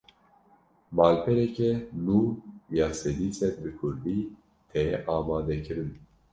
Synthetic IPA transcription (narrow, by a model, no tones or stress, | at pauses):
baːlpʰɛɾɛkɛnuːjaːsɛd̪iːsɛɾbɨkʰʊɾd̪iː | t̪ʰɛjɛʔaːmaːd̪ɛkɨɾɨn